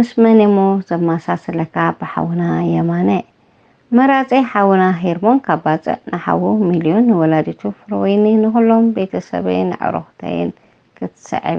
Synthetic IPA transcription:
mɨsmɐnimozɐmasasɨlɐkʰabɨħa̰wunajɐmanɐ | mɐɾat͡sʼiħawunaɦeɾmo̞nkʰaβːat͡sʼɨ̰ʔnɨħa̰wumiljo̞nːɨwɔlad̪it̪ʰufɨɾwjninɨxulːombe̞t̪ʰɐsɐ̰βa̰jnɨ̰ʕɨ̰ɾoxt̪ʰa̰jɪ̰n | kʰɨt̪ʰɨ̥sɐ̰ʕḭβ

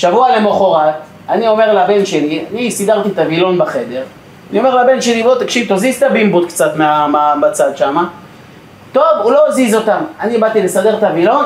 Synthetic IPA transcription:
ʃavualemoχoʁat̪ | anio̞meʁlabe̞nʃe̞lianisid̪aʁt̪it̪avilo̞nbaχe̞d̪e̞ʁ | anio̞me̞ʁlabe̞nʃe̞livot̪akʃivt̪ozizt̪abimbut̪kt͡sat̪meamamat͡sad̪ʃama | t̪o̞vulo̞ːzizo̞t̪amanibad̪t̪ilesade̞ʁt̪avilo̞n

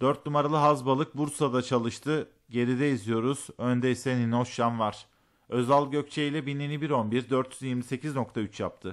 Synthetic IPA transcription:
d̪̥øɾt̪numaɾalˠɯɦazbalˠɯk̚buɾsad̪at͡ʃʰalˠɯʃt̪ʰɯ | ɟe̞ɾid̪ɛizijo̞ɾuz̥ø̞nd̪ɛisɛnino̞sanvaɾ̥ | ø̞zalˠɟø̞c̚t͡ʃʰeilʲɛbininibiɾo̞nbiɾd̪øɾt̪ʰjyzjiɾmise̞cʰizno̞k̚t̪ʰayt͡ʃja̰p̚t̪ʰɯ

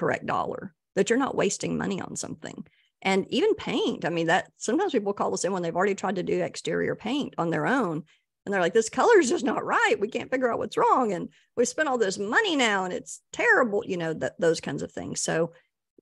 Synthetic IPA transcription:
kʰə˞ɛ̰k̚d̥ɔ̰lˠə̰˞ | ðɨt͡ʃə˞nə̰ʔwḛɪstɪ̃ŋmʌ̰ñiə̰̃nsʌ̰̃mθɪ̰̃ŋ | ʔɨ̃nivɨ̃npʰẽɪ̃ntaɪmĩnðɨt̚sʌ̃mtãɪ̃m̥zpipl̩ˠkʰɔlˠðəsɪ̃nwə̃nðeɪvl̩ˠɹɛɾitʰɹ̥aɪd̚tɨdɨɨ̰kstɪ̰ɹḭə̰˞pʰẽɪ̃ntn̩ðə˞õʊ̃n | ʔɨ̃nðə˞laɪk̚ðɪskʰʌlˠə˞zɨznəʔ̚ɹaɪt̚wikʰæ̰̃nfɪɡjə˞aʊʔ̚wʌ̰tsɹɔ̃ŋɨ̃n | wiv̥spɛ̃ndɔlˠðoʊzmʌninaʊə̃nɨ̰tstʰɛɹɨbl̩ˠjɨnoʊðɨt̪̚ðoʊz̥kʰãɪ̃nzʌv̥θɪ̰̃ŋz̥soʊ

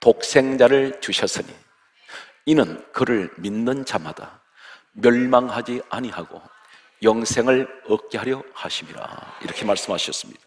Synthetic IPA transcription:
tok̚s͈e̞ŋd͡ʑaɾɯɭt͡ɕuɕʰʌs͈ɯɲḭ | inɯnkɯɾɯɭminːɯnd͡ʑamad̥a̰ | mjʌɭmaŋhad͡ʑiaɲihaɡo̰ | jʌŋsʰe̞ŋɯɭʌk̚k͈eɦaɾjʌhaɕʰimiɾa̰iɾʌkʰemaɭs͈ɯmɦaɕʰʌs͈ɯmɲid̥a

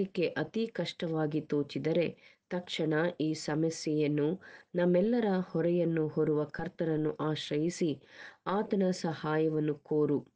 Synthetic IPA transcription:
ikːe̞ʔɐt̪ikɐʂʈɐʋaːɡit̪oːt͡ʃid̪ɐɾe̞t̪ɐkʂɐɳɐiːsɐmɐsjɐjɐnːunɐmːɛlːɐɾɐhɔɾɛjɐnːuɦoɾuʋɐkʰɐɾt̪ɐnɐnːuʔaːʃɾɐjisiaːt̪ɐnɐsɐhaːjɐʋɐnːukoːɾu

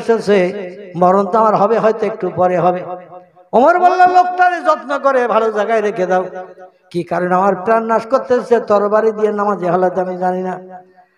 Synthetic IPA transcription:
sesemɔɾont̪amaɾɦɔbeɦɔjt̪oek̚ʈupɔɾeɦɔbe | omoɾbɔlːolok̚ʈaɾed͡ʑɔt̪nokoɾebʱalod͡ʑaɡajɾekʰed̪aw | kikaɾonamaɾpɾanːaʃkoɾt̪eset̪ɔɾobaɾid̪ijenamad͡ʑeɦɔlat̪amid͡ʑanina

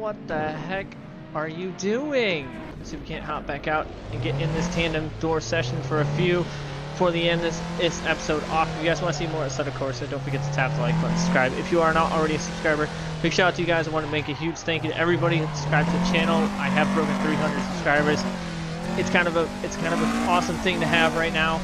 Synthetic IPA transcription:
wʌt̪̚ðəɦɛk | ə˞jɨdʉɪ̃ŋ | soʊwikʰæ̃nhɑb̥ækaʊɾ | ɨ̃nɡɛɾʔɪ̃nðɪstʰæ̃ndɨ̃mdɔɹsɛʃn̩fə˞ɨfjʉ | fə˞ðiɛ̃nðɪsðɪsɛpə̥soʊɾɔfjɨɡaɪzwɑ̃nɨsimɔɹɨtsʌɾɨ̥kʰɔɹsaɪdõʊ̃nfə˞ɡɛtʰə̥tʰæp̚tʰəlaɪkʌ̃nsə̥skɹaɪbɪ̰fjɨə˞nəɾʔl̩ˠɹɛɾiɨsəb̥skɹaɪbə˞ | b̥ʰɪkʃoʊtʰɨjɨɡaɪzawɑ̃nəmeɪkɨhjʉ̥d͡ʒ̥θæ̃ŋkjʉɾɨ̰ʔɛvɹibɑɾi̥skɹaɪbzɨt͡ʃʰæ̃nl̩ˠaɪɨv̥pʰɹ̥oʊkɨ̃n̩θɹiɦʌ̃ndɹɨd̥səb̥skɹaɪbə˞z̥ | ɨtskʰãɪ̃ndʌvəɨtskʰãɪ̃ndʌvɨɔsə̃mθɪ̃ŋtɨɨvɹaɪtⁿnaʊ

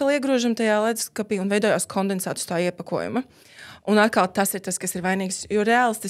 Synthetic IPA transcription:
alˠiɛɡɾuɔʒamt̪ajaːlˠad̪skapiːunvɛjd̪ɔːjaːskʰɔnd̪ɛnsaːt̪u̥st̪aːiɛpakuɔjṵmɐ | unat̪̚kalˠt̪asiɾt̪askasiɾvajniːksjɔɾɛaːlˠst̪i

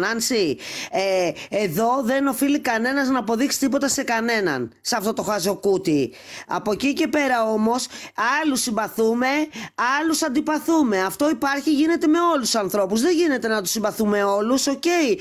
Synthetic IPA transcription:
nɐnsieeðo̞ðe̞no̞filikɐne̞nɐznɐːpo̞ðiksi̥t̪ipo̞t̪ɐse̞kɐne̞nɐ̰nsɐft̪o̞t̪o̞xɐzo̞kut̪i | ɐ̰po̞cice̞pe̞ɾɐo̞mo̞sɐlusimbɐθume̞ɐlusɐnd̪ipɐθume̞ɐft̪o̞ipɐɾçiʝine̞t̪e̞me̞o̞lusu̥sɐnθɾo̞puzðeʝine̞t̪e̞nɐt̪u̥simbɐθume̞o̞luso̞ce̞i

